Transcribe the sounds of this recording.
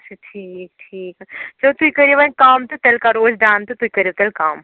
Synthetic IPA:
t͡ʃʰɐʈʰiːk̚ʈʰiːkːt͡ʃɐt̪uikɐɾjoʋakaːmt̪ut̪elkaɾoːd͡ʒd̪aːnt̪ut̪uikɐɾiot̪ɐlkaːm

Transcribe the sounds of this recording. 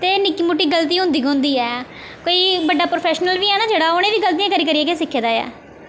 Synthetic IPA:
t̪eːnɪkːiːmʊʈːiːɡəlt̪̬iːɦʊ̃nd̪iːkɦʊ̃nd̪iːɛː | koiːbəɖːaːpɾoːpʰɛːʃnəlʋiːɛːnaːd͡ʒeːɽaːoneːʋiːɡəlt̪iːjãːkəɾiːkəɾiɛːkesɪkʰːeːd̪aːɛ̰ː

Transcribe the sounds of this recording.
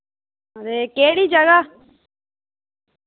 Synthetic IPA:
ɾeːkeːɽiːd͡ʒəɡaː

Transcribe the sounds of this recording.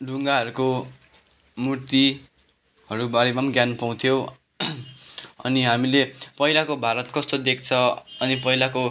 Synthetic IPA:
ɖuŋɡaɦʌɾuko | murt̪i | ɦʌɾubaɾibamɡjanpaw̃t̪ʰjo | ʌ̰niɦamilepʌɦilakobʱaɾʌt̪kʌst̪od̪ekʰt͡sʰʌʌnipʌɦilako

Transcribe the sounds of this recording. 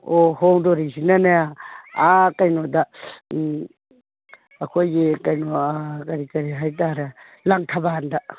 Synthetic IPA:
ohɔŋdoɾisinanaaakajnoda | kʰojikajnoakɐɾikɐɾiɦajt̬aɾɐ | laŋtʰabaɦanda

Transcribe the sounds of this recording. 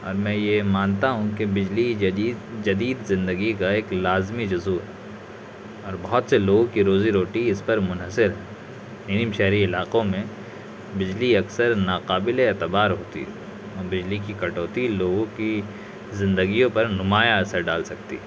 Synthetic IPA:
ɔ̰ːɾmɛ̃jemaːnt̪aɦũkebɪd͡ʒliid͡ʒɐd̪iːd̪zɪ̃nd̪əɡikaeːklaːzmid͡ʒʊzuɦɛː | ɔːɾbɐɦɔt̪seloːɡõkiɾoːziɾoːʈiɪspɐɾmʊnɦəsɪɾɦɛː | niːnimʃɛɦɾiɪlaːqõmẽ | bɪd͡ʒliɐksəɾnaːqaːbɪleeːt̪ɪbaːɾɦoːt̪ḭɦɛ | ɔːɾbɪd͡ʒlikikɐʈoːt̪iloːɡõki | zɪ̃nd̪əɡijõpɐɾnʊmaːjaɐsəɾɖaːlsɐk̚t̪ḭɛ

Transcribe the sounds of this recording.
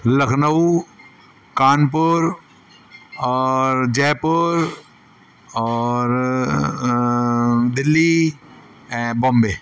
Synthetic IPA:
ləkʰnəu | kaːnp̬əɾ | ɔːɾd͡ʒɛːpəɾ | ɔːɾ | d̪ɪlːi | bɔ̃mbeː

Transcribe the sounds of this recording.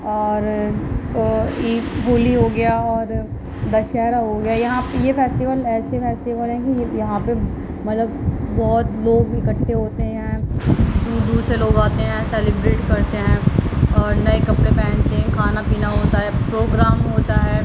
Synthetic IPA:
ɔːɾ | iːɦuːliɦoːɡɐjaɔːɾ | d̪ɐʃɛːɾaɦoɡɐjajɐɦãpjefeːsʈiʋəlɛːsefeːsʈiʋəlɦɛ̃kijɐɦãpe | mɐt̪ləbbɔːt̪loːɡɪkəʈʰːeɦoːt̪eɦɦɛ̃d̪uːd̪uːseloːɡaːt̪eɦɛ̃sɛːlɪbɾeːʈkɐɾt̪eɦɛ̃ːɔːɾnɐekɐpɽepɛ̃ːɳt̪eɦɛ̃kʰaːnapiːnaɦoːt̪aɦɛpɾoːɡɾaːmɦoːt̪aɦɛː

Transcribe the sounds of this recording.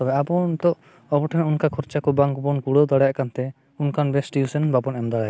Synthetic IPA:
t̪ɔbɛabɔnt̪ɔʔ | ɔbɔʈʰɛnunkakʰɔɾt͡ʃakɔbaŋkbɔnkuɽɔd̪aɽajaʔkant̪ɛ | unkanbɛsʈiusɛnbabɔnɛmd̪aɽaj

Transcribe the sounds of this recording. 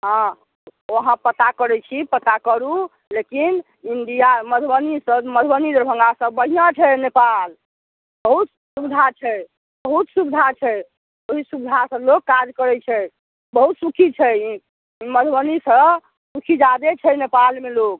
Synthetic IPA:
ɦã | oəɦãpət̪akəɾɛt͡ʃʰipət̪akəɾu | lekin | ind̪ijaməd̪ʱbənisəməd̪ʱbənid̪əɾbʱə̃ŋɡasəbbəɦijãt͡ʃʰɛnepal | bəɦut̪ | subid̪ʱat͡ʃʰɛ | bəɦut̪subid̪ʱat͡ʃʰɛ | oɦisubid̪ʱasəblokkad͡ʒkəɾɛt͡ʃʰɛ | bəɦut̪sukʰit͡ʃʰɛ | məd̪ʱbənisəb | sukʰid͡ʒad̪et͡ʃʰɛnepalmelok̚

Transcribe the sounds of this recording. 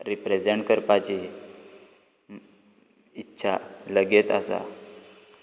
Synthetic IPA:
ɾipɾed͡ʑeɳʈkəɾpat͡ɕi | itːɕʰa̰ləɡet̪asa̰

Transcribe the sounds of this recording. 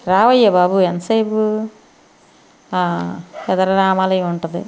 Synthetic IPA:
ɾaːʋɐjːɐbaːbuensɐjpu | aɛd̪ɐɾɐɾaːmaːlɐjuɳʈud̪ḭ

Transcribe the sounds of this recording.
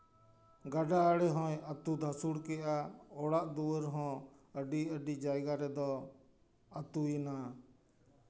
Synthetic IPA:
ɡaɖaəɽɛɦɔ̃jət̪ud̪ʱasuɽkɛʔaɔɽaʔd̪uwəɾɦɔ̃əɖiəɖid͡ʒajɡaɾɛd̪ɔ | ət̪ujina

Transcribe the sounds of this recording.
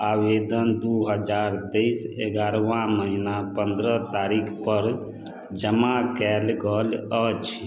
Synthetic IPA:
awed̪ənd̪uɦəd͡ʒaɾt̪əjseɡaɾʋãməɦinapənd̪ɾət̪aɾikʰpəɾ | d͡ʒəmakɛlɡələt͡ʃʰ

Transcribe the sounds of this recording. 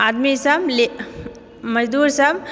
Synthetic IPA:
ad̪misamle | mɐd͡ʒd̪uːɾsam

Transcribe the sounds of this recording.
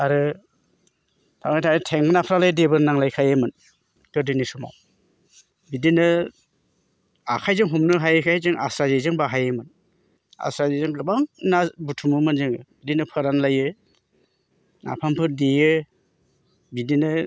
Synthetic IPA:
aɾɯ | tʰawnajtʰaɾɯtʰeŋɯnapʰɾalajdebɯɾnaŋlajkʰajɯmɯn | kɯɾdɯnisuma̰w | bidinɯ | akʰajzɯŋɦumnɯɦajɯkʰajajzɯŋa̰sɾazezɯŋbaɦajɯmɯn | a̰sɾazezɯŋlabaŋnabutʰumɯmɯnzɯŋɯbidinɯpʰɯɾanlajɯ | na̰pʰampʰɯɾdijɯ | bidinɯ

